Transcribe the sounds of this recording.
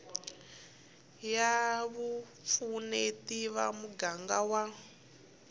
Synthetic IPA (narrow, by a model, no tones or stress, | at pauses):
jaβup̪funetiβamuɡaŋɡawa